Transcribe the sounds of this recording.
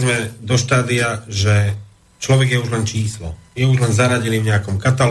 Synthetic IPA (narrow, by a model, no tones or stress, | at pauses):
zmɛd̪ɔʃt̪aːd̪iaʒɛ | t͡ʃlɔʋɛɡjɛuʒlɛnt͡ʃiːslɔ̰jɛuʒlɛnzaɾaɟilivɲɛakɔmkat̪al